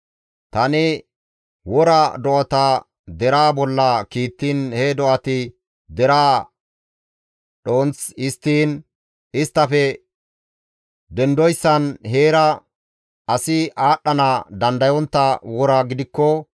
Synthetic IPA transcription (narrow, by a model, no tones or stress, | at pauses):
t̪ɐnɪ | wɔɾɐd̪ɔʔɐt̪aː | d̪ɛɾaːbɔlːɐkiːt̪ːiːnhɛd̪ɔʔɐt̪ɪ | d̪ɛɾaː | ɗo̞ːnt͡sɪst̪ːiːn | ɪst̪ːɐfɛ | d̪ɛnd̪ɔjsːɐnɦeːɾɐ | ɐsɪʔaːɗːɐnaːd̪ɐnd̪ɐjɔnt̪ːɐwɔɾaɡɪd̪ɪkːɔ